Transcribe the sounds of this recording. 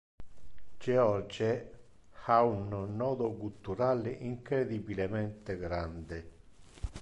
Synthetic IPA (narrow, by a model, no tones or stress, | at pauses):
d͡ʒeɔɾd͡ʒe | aunonːɔːd̪okult̪uɾaːlɪʔiŋkɾed̪ibilemɛnt̪eɡɾand̪e